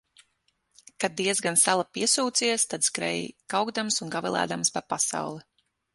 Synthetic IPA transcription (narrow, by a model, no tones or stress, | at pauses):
kad̪̚iɛzɡansalˠapiɛsuːt̪siɛst̪ad̪skɾɛ̰jkawɡd̪amsunɡavɛlˠæ̰ːd̪amspaɾpasa̰wlˠi